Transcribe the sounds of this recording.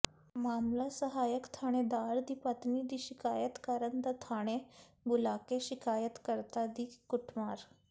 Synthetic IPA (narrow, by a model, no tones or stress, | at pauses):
maːmlasəɦaːjəkt̪ʰaɽ̃ed̪aːɾd̪iːpət̪nid̪iːɕikaːjət̪kaɾənd̪at̪ʰaːɽ̃e | bulakeʃikaːjət̪kəɾt̪ad̪iːkuʈʰmaːɾ